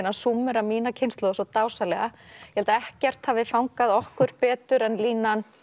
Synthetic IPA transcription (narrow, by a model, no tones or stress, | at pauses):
nasumːʏɾamiːnacʰejnst̪ɔːɣasɔt̪aːwsalɛɣajɛhɛlt̪aɛhcɛr̥t̪havɪfawŋkaðɔhkʏɾ̥pɛːt̪ʏɾɛnliːnan